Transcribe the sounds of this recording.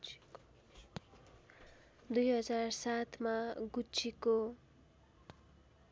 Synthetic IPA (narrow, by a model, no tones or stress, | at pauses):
d̪ujɦʌd͡zarsat̪ʰmaɡut͡sʰiko